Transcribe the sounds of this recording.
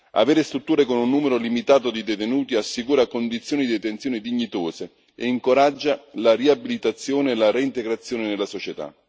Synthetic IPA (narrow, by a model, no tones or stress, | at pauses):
a̰veːɾest̪ɾut̪ːuːɾekonunːuːmeɾolimit̪aːt̪od̪id̪et̪enuːt̪iasːikuːɾakond̪it̪sːjoːnid̪iet̪ensjoːnid̪iɲːit̪oːse | ḛiŋkoɾad͡ʒːalariabilit̪at̪sːjoːneːlaɾeint̪eɡɾat̪sːjoːnɪnelːasot͡ʃet̪a̰